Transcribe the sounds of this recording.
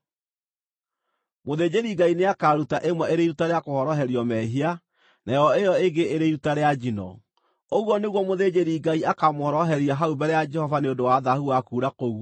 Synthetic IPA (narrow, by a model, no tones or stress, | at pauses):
moðed͡ʑeɾiɡaineakaɾutaʔemwɛeɾeiɾutaɾeakohɔɾɔɦɛɾjɔmɛɦia | najɔejɔeɡeeɾeiɾutaɾead͡ʒinɔ̰ | oɣwɔneɣwɔmoðed͡ʑeɾiɡaiakamohɔɾɔɦɛɾiaɦaubɛɾɛjad͡ʒɛhɔvaneondowaðahuwakuːɾakoɣu